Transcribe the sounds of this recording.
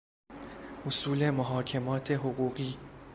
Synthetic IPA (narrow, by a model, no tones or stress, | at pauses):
ʔosuːle̞moɦɒːcʰe̞mɒːt̪ʰe̞ɦoɣuːɢiː